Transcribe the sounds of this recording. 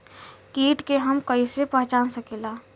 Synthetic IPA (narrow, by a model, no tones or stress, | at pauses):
kiːʈkeɦəmkəisepɛɦt͡ʃaːnsəkeːlaː